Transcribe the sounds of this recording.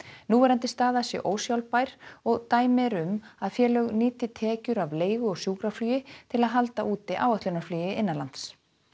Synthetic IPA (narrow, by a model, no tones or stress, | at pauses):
nuvɛɾant̪ɪst̪aːðasjɛ̰ʔoːwsjawlpajɾ̥ɔɣt̪aːjmɛɾʏmaðfjɛːlœɣniːt̪ɪt̪ʰɛːcʏɾavleːjɣʏɔɣsjuːkɾaflyːjɪt̪ʰɪlaðɦalt̪aʔuːt̪ɪʔaːwœht̪ʏnaflyːjɪʔɪnːalant̪s